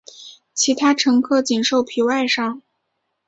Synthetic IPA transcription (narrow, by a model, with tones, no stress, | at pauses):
t͡ɕʰi˧˥t̪ʰa˥ʈ͡ʂʰɤ˧˥ŋkʰɤ˥˩t͡ɕi˨˩nʂo˥˩ʊpʰi˨˧˥wa˥˧ɪʂɑ˥˩ŋ